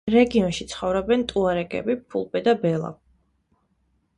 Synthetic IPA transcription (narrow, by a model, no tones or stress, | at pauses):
ɾɛɡiɔnʃit̪sʰχɔvɾɔbɛnt̪ʼuaɾɛkʼɛ̰bipʰṵlˠpʼɛd̪abɛlˠa̰